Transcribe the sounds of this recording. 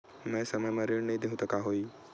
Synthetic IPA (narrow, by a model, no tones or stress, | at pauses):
mɛ̃səməjməɾiɽnəɦĩd̪eɦũt̪əkaɦoːi